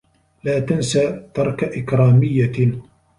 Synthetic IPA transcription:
laːt̪ansaːt̪ɑɾˤkaʔɪkɾaːmɪjːa

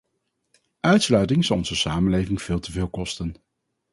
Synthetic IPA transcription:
ʔœɥtslœɥtɪŋzɑlˠɔnz̥əsaːmənlejvɪŋv̥ɪːlˠtəvɪːlˠkɔstən

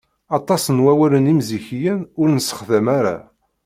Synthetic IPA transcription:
ɑt̪ˤɑsənwæwælənimziçijənʊɾnəsə̥χðæmaɾa̰

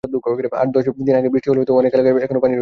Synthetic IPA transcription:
ad̪ukɔkeɾea̰ʈ̚d̪ɔʃɔp̚id̪inaɡebɾiʈiɦoleɦot̪oɔnekalekeɛkʰonopani

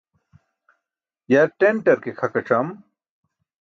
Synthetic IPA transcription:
jaɾʈeɳʈɐɾkekʰɐkɐʈ͡ʂɐm

